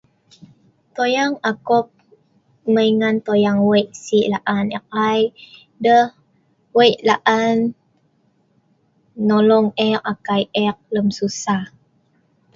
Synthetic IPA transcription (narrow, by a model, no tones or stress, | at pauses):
t̪ojaŋakɔp̚ | məiŋant̪ojaŋwəjʔsiʔlaʔanɛʔ̚aj | dəh | wəjʔlaʔan | olɔŋɛʔ̚akajɛk̚ləmsusah